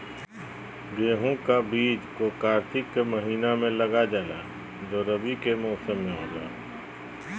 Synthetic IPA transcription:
ɡeːɦũkabiːd͡ʒkokaːɾt̪ʰɪkːeməɦiːnamẽləɡad͡ʒaːla̰ː | d͡ʒoːɾəbikemɔːsəmːẽɦoːɡa̰ː

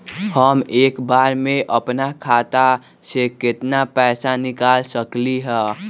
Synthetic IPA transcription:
həmeːkbaːɾmẽʔəpnakʰaːt̪a | sekɪt̪napɛːsanɪkaːlsəkliɦɛ̃ː

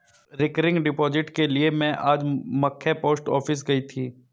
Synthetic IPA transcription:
ɾɪkəɾɪ̃ŋɡɖɪpɔːd͡ʒɪʈkeliemɛ̃ʔaːd͡ʒmɐkʰːepoːsʈɔːfɪs̬ɡɐit̪ʰiː

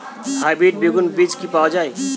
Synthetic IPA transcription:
habeːʈ̚beɡʊnbid͡ʒkipawd͡ʒaːi

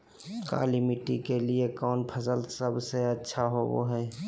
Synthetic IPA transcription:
ka̰ːlimɪʈikeliekɔːnpʰəsəlsəbseətːʃʰaɦobo̰ɦɛː

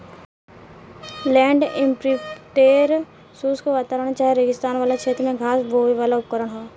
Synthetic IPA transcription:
lɛ̃ːɳɖɪ̃mpɾiʈeːɾ | suːskoʋaːt̪aːɾəɽ̃t͡ʃaːɦieɾeːɡɪst̪aːnʋaːlakʃʰeːt̪ɾmẽɡʱaːsboːʋiʋaːlaʊp̚kəɾəɽ̃ɦoː

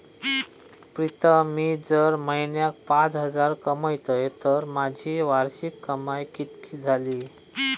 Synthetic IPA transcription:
pɾit̪əmiːd͡zəɾməjnjak̚pãt͡sɦəd͡zaɾkəmajt̪əjt̪əɾmad͡ʑʱiːʋaɾɕikːəmajkit̪kiːd͡zʱaliː

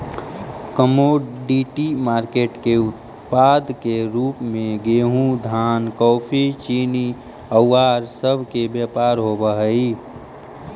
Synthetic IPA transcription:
kəmoɖiʈimaːɾkeːʈkeʊt̪ | paːd̪ʱkeɾuːpmẽɡeːɦũd̪ʱaːnkɔːpʰit͡ʃiːni | əwːaːɾsəbʱkebjəːpaːɾɦobəɦəi

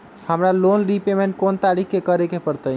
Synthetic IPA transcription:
həmɾalonɾipemeɳʈ̚kont̪aɾikʰkekəɾekepəɾt̪əj

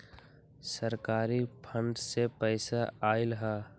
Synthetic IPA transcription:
səɾkaːɾipʰə̃ɳɖsepəɪsaaːɪlɦaː

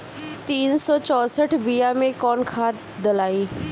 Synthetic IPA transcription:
t̪iːnsɔt͡ʃɔːsəʈʰbiːjamẽkɔːnkʰaːt̪ | d̪əlaːiː

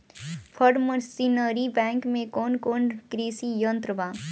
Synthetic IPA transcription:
pʰəɖməɾsiːnəɾibɛ̃ːŋkmẽkoːnkoːnkɾiːsijənt̪ɾəbãː

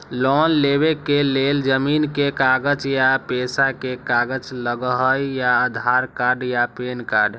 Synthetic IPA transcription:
lɔnleβekeleld͡ʒəminkekaɡəd͡ʒjapesakekaɡəd͡ʒləɡəɦəjjaəd̪ʱaɾkaɾɖjapenkaɾɖ

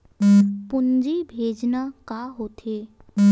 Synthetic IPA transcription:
pʊnd͡ʒibʱeːd͡ʒnakaɦoːt̪eː

